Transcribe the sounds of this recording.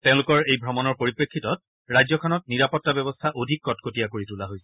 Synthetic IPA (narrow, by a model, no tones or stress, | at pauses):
tɛ̃ʊ̃lʊkɔɹejbʱɹɔmɔnɔɹpoɹipɹekʰːitɔt̚ | ɹajzɔkʰɔnɔt̚niɹapɔtːabɔbɔstʰaʔodʱikːɔtkʰotijakoɹitulaɦojsɛ̥